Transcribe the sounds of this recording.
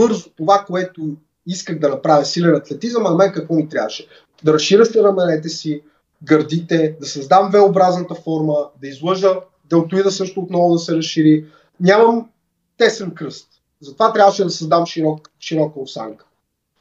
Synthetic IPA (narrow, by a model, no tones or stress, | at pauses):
bɤɾzʊt̪ovakoɛt̪ʊ | iskəɣd̪ɐnɐpɾavʲjəsilɛnɐt̪lɛt̪izəmɐnɐmɛnkɐkvɔnit̪ɾʲavəʃɛ̥ | d̪ɐɾɐsʃiɾəʃt̪ɛnɐmɛnɛt̪ɛsi | ɡɐɾd̪it̪ɛd̪ɐsɐzd̪amvɛobɾaznət̪əfɔɾməd̪ɐizlˠɤʒə | d̪ɛlˠt̪ʊid̪əsɤʃt̪ʊːt̪nɔvʊd̪ɐsɛɾɐsʃiɾi | nʲamɐm | t̪ɛsɛnkɾɤst̪ | zɐt̪ovat̪ɾʲavəʃɛd̪ɐsɐzd̪amʃiɾɔk | ʃiɾɔkəot̪sa̰ŋkə̥